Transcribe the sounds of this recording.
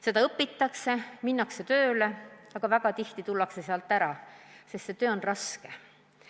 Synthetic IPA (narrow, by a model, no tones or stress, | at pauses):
se̞d̪ɑɤpːˑit̪ːˑɑkse̞minːɑkse̞t̪ø̞ːleɑɡ̥ɑvæɡ̥ɑt̪iht̪it̪ulːɑkse̞seɑlt̪ːˑæɾɑsest̪se̞t̪øːo̞nrɑske̞